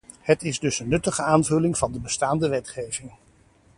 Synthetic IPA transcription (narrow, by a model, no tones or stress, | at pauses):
ɦətɪzdɵsənːɵtəχəaːnvɵlɪŋvɑndəbəstaːndəʋɛtχejvɪŋ